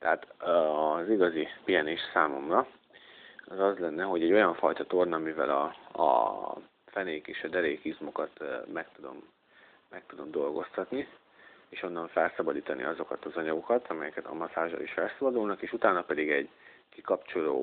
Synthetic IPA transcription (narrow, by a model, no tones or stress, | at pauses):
t̪ɛaːt̪ː | ziɡɒzipijɛneːʃsaːmo̞mrɒ | ɒzɒzlɛnːɛɦo̞ɟɛɟːo̞jɒɱfɒjt̪ɒt̪o̞rnɒmivɛ̰lɒ̰ɒ̰ | fɛneːkeːʃɒd̪ɛɾeːkizmo̞kɒt̪mɛk̚t̪ud̪o̞̰mː | ɛk̚t̪ud̪o̞md̪o̞lɡo̞st̪ɒt̪ni | eːʃo̞nːɒɱfɛlsɒbɒd̪iːt̪ɒnʔḭɒzo̞kɒt̪ɒzɒɲɒɡo̞kɒt̪ʰɒmɛjɛkɛt̪ɒ̰mɒtaːʒɒ̰liʃfɛlsɒbɒd̪ulnɒkeːʃut̪aːnɒpɛd̪iɡɛɟ | kikɒpt͡ʃo̞lo̰ː